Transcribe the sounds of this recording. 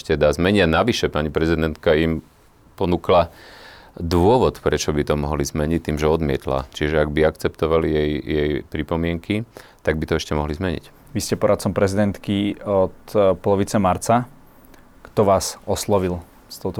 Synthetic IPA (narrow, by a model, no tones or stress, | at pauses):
ʃcɛd̪azmɛɲianaʋiʃɛpaɲipɾɛzid̪ɛnt̪kaim | pɔnuːkla | d̪ʊɔʋɔt̪pɾɛt͡ʃɔbit̪ɔmɔɦɔlizmɛɲic̚t̪ːiːmʒɛɔd̪mɪɛt̪la̰t͡ʃiʒɛaɡbiakt͡sɛpt̪ɔʋalijɛjjɛjpɾipɔmɪɛŋkʰit̪aɡ̚bit̪ɔɛʃcɛmɔɦlizmɛɲḭc | ʋiscɛpɔɾat̪̚t͡sɔmpɾɛzid̪ɛnt̪kiɔt̪pɔlɔʋit͡sɛmaɾt͡sa | kt̪ɔʋaːsɔslɔʋil | st̪ɔʊt̪ɔ